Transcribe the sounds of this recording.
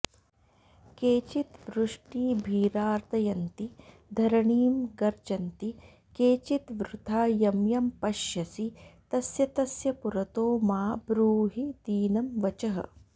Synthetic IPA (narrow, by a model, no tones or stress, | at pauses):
keːt͡ʃit̪ʋɾuʂʈiːbʱiːɾaːɾt̪ɐjɐnt̪i | d̪ʱɐɾɐɳiːmɡɐɾt͡ʃɐnt̪i | keːt͡ʃit̪ʋɾut̪ʰaːjɐmjɐmpɐʃjɐsit̪ɐsjɐt̪ɐsjɐpuɾɐt̪oːmaːbɾuːɦid̪iːnɐmʋɐt͡ʃɐɦɐ̰